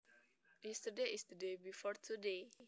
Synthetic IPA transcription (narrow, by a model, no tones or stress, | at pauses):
jistədeist̪udebifɔrt̪ʰude